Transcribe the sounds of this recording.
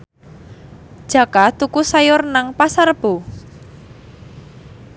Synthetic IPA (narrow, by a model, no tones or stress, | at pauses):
d̥ʒ̥a̤kat̪ukusajʊrnaŋpasarb̥o